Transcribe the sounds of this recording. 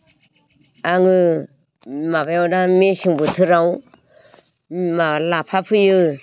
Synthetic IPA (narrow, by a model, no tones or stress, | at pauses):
aŋɯ | mabajawdamesiŋbɯtʰɯɾaw | malapʰapʰɯjɯ